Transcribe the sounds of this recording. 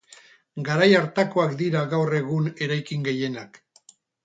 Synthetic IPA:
ɡaɾajaɾt̪akoakd̪iɾaɣawre̞ɣ̞une̞ɾajkiŋɡe̞je̞nak

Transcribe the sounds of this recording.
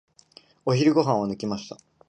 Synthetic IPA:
o̞çiɾɯ̟ɡo̞ɦãɰ̃anɯ̟kʲimaɕi̥t̪a

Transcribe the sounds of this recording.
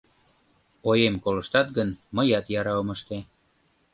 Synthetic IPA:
ojemkolə̆ʃt̪ɑt̪̚ɡənməjɑt̪jɑɾɑoməʃt̪e

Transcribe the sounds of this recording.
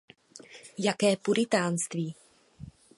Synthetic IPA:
jakɛːpuɾɪt̪aːnst̪viː

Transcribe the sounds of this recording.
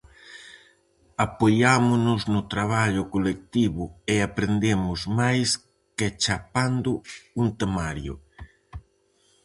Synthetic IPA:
apojamʊnʊznʊt̪ɾaβ̞aʎʊkolek̚t̪iβʊeapɾend̪emʊzmajs | ket͡ʃapand̪ʊuŋt̪emaɾjʊ̰

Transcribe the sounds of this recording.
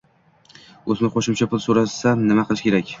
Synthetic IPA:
ɵznɪqoʃɪmt͡ʃʰapʊlˠsoɾasanɪmaqʰɨlˠɪʃkʲe̞ɾakʲ

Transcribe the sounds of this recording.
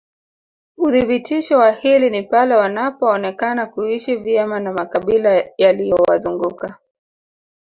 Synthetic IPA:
uðiɓitiʃɔwahilinipalɛwanapɔːnɛkanakuiʃivjɛmanamakaɓilajalijɔwa̰zuŋɡuka

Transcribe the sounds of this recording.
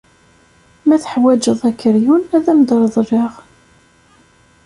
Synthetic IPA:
mæθə̥ħwæd͡ʒəðˤækːəɾjunæðæmd̪ɾˤðˤreʁ

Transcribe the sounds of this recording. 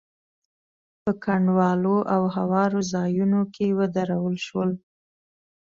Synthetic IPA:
pəkaɳɖwɑloʔawhawɑɾozɑjunokewəd̪aɾawəlʃwəl

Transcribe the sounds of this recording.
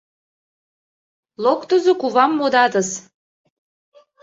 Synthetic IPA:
lokt̪əzokuβɑmːod̪ɑt̪əs

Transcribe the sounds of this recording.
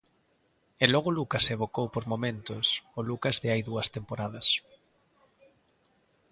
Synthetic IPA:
ɛlɔɣ̞olukɐseβokowpoɾmomẽnt̪osolukazðɪajðuɐst̪empoɾaðɐs

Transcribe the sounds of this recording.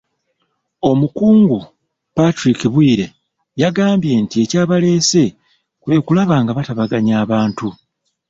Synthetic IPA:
o̞mukuːŋɡu | patɾikiβwiːɾe̞ | jaɡaːmbje̞ːntie̞caːβale̞ːse̞ | kwe̞ːkulaβaːŋɡaβataβaɡaɲaːβaːntu

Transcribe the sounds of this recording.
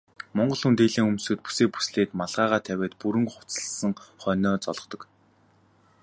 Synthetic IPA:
mɔɴɢɞ̆ɮxunt̪eːɮiːŋɵmsɵːt̪̚pu̥seːpu̥sɮeːt̪maɮʁaːʁaːt̪ʰæwʲeːt̪puɾɘ̆ŋχʊ̥t͡sə̆ɮsə̆ŋχœːnɔːt͡sɔɮɞ̆t̪ɞ̆k

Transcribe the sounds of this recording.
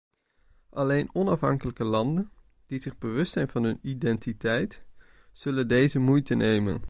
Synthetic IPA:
ʔɑlejnɔnɑfɦɑ̰ŋkələkəlɑndən | d̥izɪχbəʋɵstsɛjnvɑnɦɵnidɛntitɛjt | z̥ɵləndejzəmujtənejmə̰n

